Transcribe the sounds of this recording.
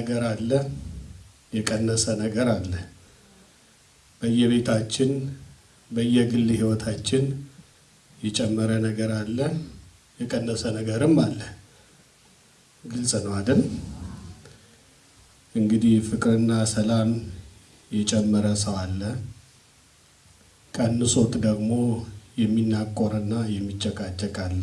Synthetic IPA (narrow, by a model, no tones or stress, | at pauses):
nəɡəɾalːə | jɛkʼənːəsənəɡəɾalːə | b̥əjːɛβe̞t̪ʰat͡ʃːɪn | bəjːɛɡɨlːhiwɔt̪ʰat͡ʃːɪn | jɛt͡ʃʼɛmːəɾənəɡəɾalːə | jɛkʼənːəsənəɡəɾɨmːalːə | ɡɨlsʼnəwad̪ən | ʔɨŋɡɨd̪ihfɨkʼɾɨnːasəlam | jɛt͡ʃʼɛmːəɾəsəwalːə | kʼənːɨsot̪ʼd̪əɡmo̞jɛmːinːakʼːoɾənːajɛmːit͡ʃːəkʼat͡ʃʼːɛkʼalːə